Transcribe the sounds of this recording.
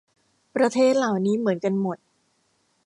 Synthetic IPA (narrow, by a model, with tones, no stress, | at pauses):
pɾa˧t̪ʰeː˥˩t̪̚laː˨˩wniː˦˥mɯ˩˦ə˦nka˧nmo˨˩t̪̚